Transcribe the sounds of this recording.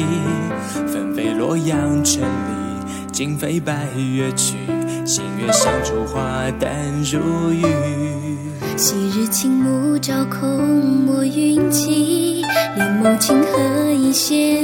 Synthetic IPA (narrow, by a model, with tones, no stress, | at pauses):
fə˧˩nfe˧˥ɪlwɔ˧˥jɑ˧ŋʈ͡ʂʰə˧˥nli˨˩ | t͡ɕi˧˥ŋfe˧˥ɪpa˧ɪɥɛ˥t͡ɕʰy˨˩ | ɕḭ˨˩nɥɛ˧˥ɕɑ˧˥ʊʈ͡ʂu˨˩xwa˥˧t̪a˥˧nɻu˧˥y˥˧˩ | ɕi˨˩ɻ̩˧t͡ɕʰi˥ŋmu˧˦ʈ͡ʂɑ˨˩ʊkʰʊ˥˧mɔ˧˥y˧i˥nt͡ɕʰi˥lɛ˨˩nmo˧˩ŋt͡ɕʰi˥ŋxɤ˧i˧˥ɕjɛ˥